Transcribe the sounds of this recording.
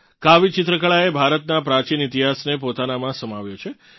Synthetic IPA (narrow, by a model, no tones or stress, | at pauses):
kaʋit͡ʃɪt̪ɾəkəɭaebʱaɾət̪napɾat͡ʃinit̪iɦasnepot̪anamãsəmaʋjot͡ʃʰe